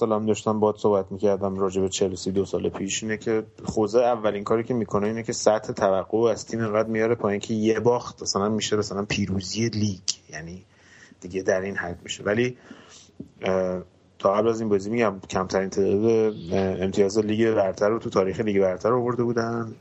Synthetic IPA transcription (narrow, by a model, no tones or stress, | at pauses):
sɒːlæmd̪ɒːʃt̪æmbɒːd̪̥soːhbæt̪micʰæɾd̪æmrɒːd͡ʒe̞bet͡ʃʰe̞lesiːd̪osɒːlepʰiʃiːnecʰe̞ | χozeævːæliŋkʰɒːɾiːcʰe̞miːkʰo̞neiːnecʰe̞sæt̪he̞t̪ʰævæɢːoæz̥t̪ʰiːme̞ŋɡæd̪mijɒːɾepʰɒːiŋcʰejebɒːxt̪mæsælænmːiʃemæsælænpʰiːɾuːzieliːɡjæniː | d̪̥iːɟe̞d̪æɾinhæd̪mḭʃe̞̰væli | t̪ʰɒːɣæblæzinbɒːzimiɟæmcʰæmt̪ʰæɾint̪ʰeːd̪d̪eemt̪ʰijɒːzeliːɡebæɾt̪ʰæɾot̪ʰut̪ʰɒːɾiːxeliːɡebæɾt̪ʰæɾovo̞ɾd̪e̞buːd̪æn